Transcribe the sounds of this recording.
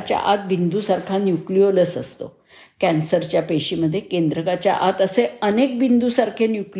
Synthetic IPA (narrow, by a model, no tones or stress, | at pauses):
t͡ɕja̰ʔat̪̚bind̪usaɾkʰanjuklioləsəst̪o̰ | kænsəɾt͡ɕjapeɕiməd̪ʱːjekend̪ɾəkat͡ɕja̰ʔat̪əseənek̚bind̪usaɾkʰenjukl